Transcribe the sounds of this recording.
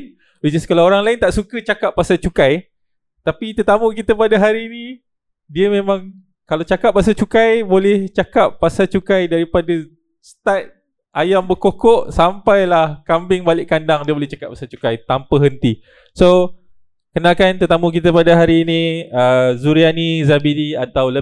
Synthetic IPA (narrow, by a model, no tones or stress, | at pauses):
wid͡ʒiskalaoɾaŋlaɪnt̪aʔsukət͡ʃakapːasat͡ʃukaj | t̪apit̪ət̪amũkit̪əpadaɦaɾiːni | diəmẽmãŋ | kalat͡ʃakap̚ːas̬at͡ʃukajbolɛht͡ʃakapːasat͡ʃukajdaɾipada | st̪at̪̚ | ʔajambəkokɔʔsampajlahkambɪŋbalɪʔkːandaŋdiəbolɛht͡ʃakap̚ːasat͡ʃu̥kajt̪ampəɦənt̪i | so | kənakant̪ət̪amũk̬it̪əpadaɦaɾiːnĩəzuɾianizabidiat̪awlə